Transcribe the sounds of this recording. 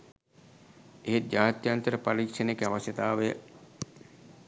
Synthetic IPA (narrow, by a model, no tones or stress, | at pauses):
eɦed͡ʒaːt̪jant̪əɾəpaɾikʂənekaʋasjət̪aːʋejə